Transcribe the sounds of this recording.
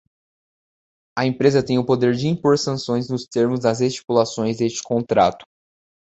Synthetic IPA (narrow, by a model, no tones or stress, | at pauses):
ɐẽpɾezɐt̪ẽj̃ʊpod̪eɾd͡ʒɪĩpoɾsɐ̃sõj̃znʊst̪eɾmʊzd̪ɐzest͡ʃi̥kulasõj̃zd̪est͡ʃɪ̥kõnt̪ɾa̰t̪ʊ̥